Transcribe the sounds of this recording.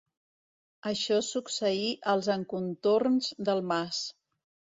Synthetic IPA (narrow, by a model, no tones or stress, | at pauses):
əʃɔsuksəiʔəlˠzəŋkunt̪ornzd̪əlˠmas